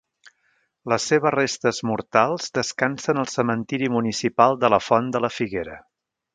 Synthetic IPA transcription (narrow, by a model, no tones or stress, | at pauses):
ləsːeβ̞ərest̪əzmuɾt̪alˠz̥d̪əskansənəlˠsəmənt̪iɾimunisipalˠd̪ələfɔnd̪ələfiɣeɾə̰